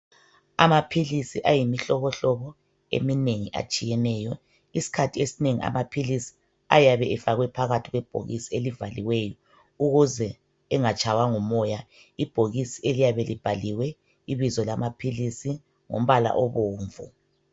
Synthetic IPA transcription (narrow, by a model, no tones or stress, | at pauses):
a̰mapʰilisiʔajimiɬɔɣɔɬɔβɔ | ḛmineŋiʔa̰t͡ʃʼijɛnɛːjɔ | isi̥kʰatʰiesineŋḭa̰mapʰilisi̥ | ajaβɛʔɛfaɣwɛpʰaɣatʰiɣwɛb̥ʱo̰ɣḭsielivaliwɛjɔ | uɣuzɛ | ɛŋat͡ʃʼʰawaŋɔmɔja | ib̥ʱoɣisielijaβɛlib̥ʱaliwɛ | iβizɔlamapʰilisi | ŋo̰m̩βala̰ʔɔβoːɱvṵ